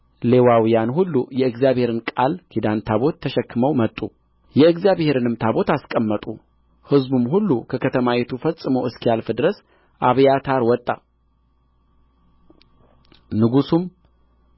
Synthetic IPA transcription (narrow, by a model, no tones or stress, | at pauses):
lewawijanhulːujɛɨɡzjaβhe̞ɾɨnkʼalkʰid̪ant̪ʰaβo̞t̪ʰːəʃɛkːɨməwmət̪ʼːu | jɛɨɡzjaβhe̞ɾɨnɨmt̪ʰabo̞t̪askʼəmːət̪ʼṵ | hɨzbumhulːukʰəkʰət̪ʰəmawet̪ʰufəsʼɨməwʔɨskijalfd̪ɨɾəs | ʔaβjat̪ʰaɾwɔt̪ʼːa̰ | nɨɡusum